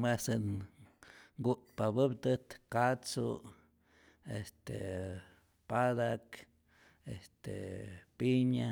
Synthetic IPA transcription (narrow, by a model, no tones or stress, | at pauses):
mesɨn | ŋɡuʔt̪pabɨbt̪ɨt̪kat͡sṵ | est̪ḛ | pad̪ak | ḛst̪ḛpiɲa